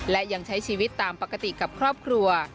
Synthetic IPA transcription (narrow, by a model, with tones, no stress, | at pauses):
lɛ˦˥ja˧ŋt͡ɕʰa˦˥jt͡ɕʰiː˧wi˦˥t̪ːaː˧mpa˨˩kːa˧t̪i˨˩ka˨˩p̚kʰɾɔː˥˩p̚kʰɾu˧ɐ